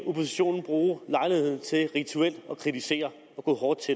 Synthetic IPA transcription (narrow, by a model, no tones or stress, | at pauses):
o̝pʰo̝siɕo̝̰ːnn̩b̥ʁuːlɑ̈ɪlihe̝ðˠn̩t͡sʰe̝lʁit͡sʰuel̰d̥ɒ̽kʰʁidise̝̰ːɐ | ɒ̽ɡ̥ɔ̰ːɦɒːd̥̚t͡sʰe̝